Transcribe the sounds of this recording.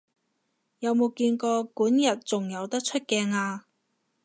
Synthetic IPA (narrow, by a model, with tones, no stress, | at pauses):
jɐ˨˧wmo˨˧wkiː˧nkɔː˧kuː˨˥njɐ˨t̚t͡sʊ˨˩ŋjɐ˨˧wt̪ɐ˥k̚t͡ʃʰɵ˥t̚kɛː˧ŋaː˧